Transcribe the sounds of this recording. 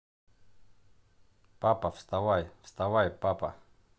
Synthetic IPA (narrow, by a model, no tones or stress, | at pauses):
papafst̪awajfst̪awajpapa̰